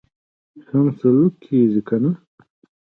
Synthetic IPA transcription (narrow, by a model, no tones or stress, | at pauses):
xɐmsɐlukʰːiːzikʰɐnɐ